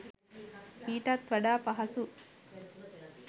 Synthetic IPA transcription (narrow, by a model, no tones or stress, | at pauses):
kiːʈɐt̪ʋɐɖaːpɐɦɐsu